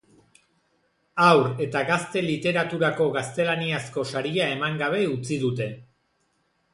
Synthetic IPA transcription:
awɾe̞t̪aɣast̪e̞lit̪e̞ɾat̪uɾako̞ɣast̪e̞laniasko̞saɾiae̞maŋɡaβ̞e̞ut͡siðut̪e̞

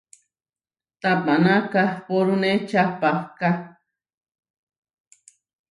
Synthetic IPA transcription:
t̪apanãkahpoɾunet͡ʃapahka

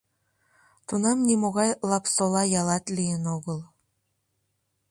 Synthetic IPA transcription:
t̪unɑmnʲimoɣɑjlˠɑpsolˠɑjɑlˠɑt̪lʲijənoɣɤ̆lˠ

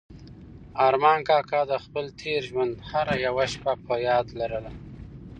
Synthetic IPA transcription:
ɑɾmɑːŋkɑːkɑd̪əxpəlt̪ʰeɾʒwand̪haɾajawaʃpapʰəjɑːd̪laɾəla

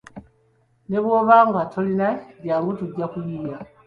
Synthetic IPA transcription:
neβwoβaːŋɡatʰolinadjaːŋɡutuɟːakujija

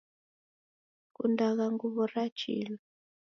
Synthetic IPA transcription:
kṵndak̬aŋɡuβɔrat͡ʃʰḭl

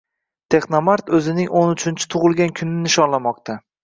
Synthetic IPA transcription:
t̪ʰe̞χnomaɾt̪ʰɵzɪnɪŋʔonʊt͡ʃʰɪnt͡ʃʰɪ̥t̪ʰʊʁɨlˠɡʲankʲʰʊnːɪnɪʃɒnlamɒqt̪ʰa

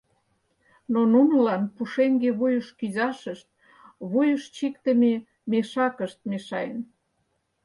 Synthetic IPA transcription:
nonunəlɑnpuʃeŋɡeβujəʃkyzɑʃəʃt̪̚ | βujəʃt͡ɕikt̪əme | meʃɑkəʃt̪̚meʃɑjə̰n

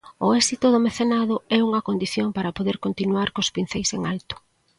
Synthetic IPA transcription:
ʊɛsit̪ʊðomeθenað̞ʊɛuŋɐkond̪iθjoŋpaɾɐpoðeɾkont̪inuaɾkospin̟θejseŋalt̪ʊ̥

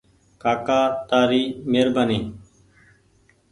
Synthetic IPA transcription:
kaːkaːt̪aːɾiːmeːɾbaniː

